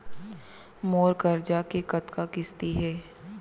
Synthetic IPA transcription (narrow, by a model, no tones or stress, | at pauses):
moːɾkəɾd͡ʒakekɐt̪kakɪst̪iɦɛː